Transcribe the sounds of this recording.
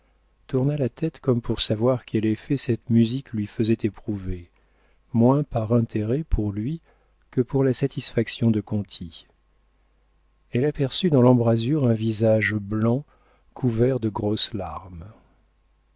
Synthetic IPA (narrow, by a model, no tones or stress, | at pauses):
t̪uʁnalat̪ʰɛt̪kɔmpuʁsavwaʁkʲʰɛlɛfɛsɛt̪myziklɥifəzɛt̪epχuve | mwɛ̃paʁɛ̃t̪ʰeʁɛpʰuʁlɥi | kəpuʁlasat̪isfaksjɔ̃d̪əkɔ̃t̪ʰi | ɛlapɛʁsyd̪ɑ̃lɑ̃bʁazyʁɛ̃vizaʒblɑ̃ | kʰuvɛʁd̪əɡʁoslaʁm